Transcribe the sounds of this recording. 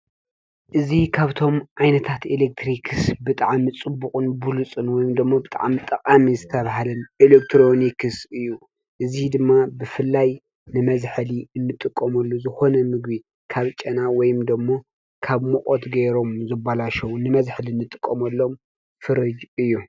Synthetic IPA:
ʔɨzikʰaβt̪ʰo̞mʕajnɐt̪ʰat̪ilek̚t̪ʰɾikʰɨsbɨt̪ʼaʕmit͡sʼɨbːuqʼɨnbulut͡sʼɨnwɔjɪmd̪ɨmːobɨt̪ʼa̰ʕmit̪ʼɐkʼamizɨt̪ʰɐβaɦalɐnʔilek̚t̪ʰɾo̞nikʰɨsɨjːu | ʔɨzid̪ɨmːabɨfɨlːaj | nɨmɐzħliɨnːɨt̪ʼɨkʼːɐmɐlːozɨxo̞nɐmɨɡbi | kʰaβt͡ʃʼɐnawɔjɪmd̪ɐmːo | kʰaβmuʔʼot̪ɡeɾo̞mzɨbalaʃɐwnɨmɐzħliɨnːɨt̪ʼɨkʼːɐmɐlːo̞m | fɨɾɨd͡ʒɨjːu

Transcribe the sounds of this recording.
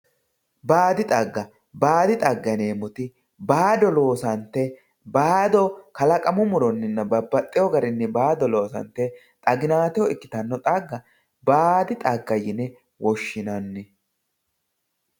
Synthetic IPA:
baːd̪ɪt̪ʼɐɡːɐ | baːd̪ɪt̪ʼɐɡːɐne̞ːmɔt̪ɪ | baːd̪ɔlo̞ːsɐnt̪ːɛ | baːd̪ɔkɐlɐkʼɐmʊmʊɾɔnːɪnːɐbɐbːɐt̪ʼːɪjɔɡɐɾɪnːɛbaːd̪ɔlo̞ːsɐ̰nt̪ːɛ | t̪ʼɐɡɪnaːt̪ɛjɔɪkːɪ̥t̪ɐnːɔt̪ʼɐɡːɐ | baːd̪ɪt̪ʼɐɡːɐjɪnɛ | wɔʃːɪnɐnːɛ

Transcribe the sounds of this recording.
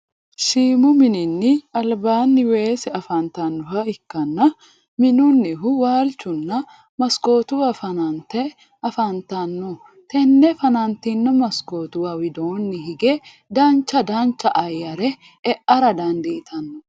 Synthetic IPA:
ʃiːmʊmɪnɪnːɪɐlbaːnːɪweːsɛɐfaːnt̪anːʊhɐɪkːɐnːɐ | mɪnʊnːɪɦʊwaːlt͡ʃːʊnːɐ | mɐskoːt̪ʊwɐfɐnant̪ɛ | ɐfant̪anːʊ | t̪ɛnːɛfɐnant̪inːɐmɐskoːt̪ʊwɐwɪd̪oːnːɪhɪɡe | d̪aːnt͡ʃːɐd̪aːnt͡ʃːɐʔɐjːɐɾɛ | ɛʔɐɾɐd̪ɐnd̪ɛʔɪt̪ʰɐnːʊ

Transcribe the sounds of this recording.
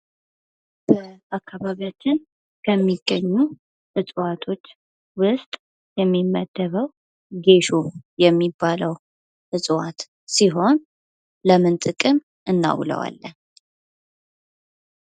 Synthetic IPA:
b̥əakʰːaβaβiat͡ʃːɪn | kʰəmːiɡ̥ːəɲːu | ʔɨsʼwat̪ʰo̞t͡ʃː | wʊst̪ʼ | jɛmːimːəd̪̥ːəβəw | ɡe̞ʃojɛmːibːaləw | ʔɨsʼwat̪ | siɦo̞n | ləmɨnt̪ʼɨkʼɨm | ʔɨnːa̰wlə̰wa̰lːən

